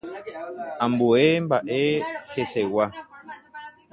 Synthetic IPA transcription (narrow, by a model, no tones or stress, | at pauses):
amboembaʔehesɛwa